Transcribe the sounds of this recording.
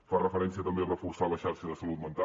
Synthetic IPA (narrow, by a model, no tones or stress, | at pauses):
farəfəɾɛns̬iət̪əmberəfuɾsaləʃaɾʃəðəsəlut̪̚mənt̪a